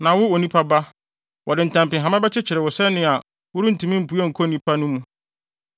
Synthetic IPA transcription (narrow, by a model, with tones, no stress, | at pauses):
nã˨wʊ˦o˨nĩ˦pʰa˦ba˦ | wʔɔ˨dɪ˨n̩˨tʰã˨mpɪ̃˨ɦã˨mã˦bɛ˦t͡ɕɪ˦t͡ɕʰɪ˨ɾɪ˨wʊ˨sɛ˦nɪ̃˦a˨ | wʊ˦ɾi˦n̩˨tʰũ˨mĩ˦m̩˨pu˦a˦ŋ̩˨kʰɔ˦˨nĩ˦pʰa˦nʊ̃˦mũ˦